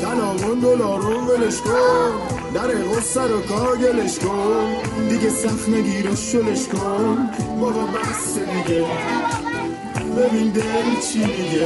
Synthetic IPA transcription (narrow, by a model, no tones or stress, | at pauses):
d̥̪ælɒːmond̪olɒːɾonveleʃkond̪æɾeɣosæɾokʰɒːɾɟeleʃkond̪iɡesæxneɡiːɾoʃod̪eʃkʰonbɒbɔbæsːed̪iɡe | bebind̪et͡ʃʰid̪iɡe